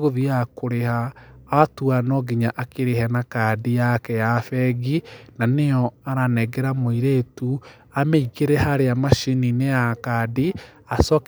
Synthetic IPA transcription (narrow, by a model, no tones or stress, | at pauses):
ɣoðiakoɾehaː | tuanɔɡiɲaʔakeɾehɛnakadijakɛjafɛɣinaneɔaɾanɛɡeɾamoiɾetu | ameiɣeɾɛhaɾeamaʃininejakadi | asɔk